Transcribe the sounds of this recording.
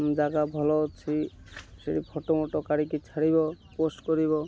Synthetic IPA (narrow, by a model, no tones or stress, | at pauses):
md͡ʒaɡabʱɔlɔt͡ʃʰi | ʃeɽipʰɔʈomoʈokaɽikit͡ʃʰaɽibɔposʈkɔɾiβɔ